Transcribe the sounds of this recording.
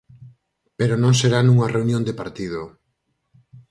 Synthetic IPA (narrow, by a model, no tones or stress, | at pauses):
peɾonõŋseɾanũŋɐreunjõnd̪epaɾt̪iðo